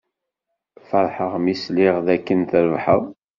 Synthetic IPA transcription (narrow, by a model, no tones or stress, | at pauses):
fəɾˤħəʁmisliʁðækːənθəɾvħə̰ðˤ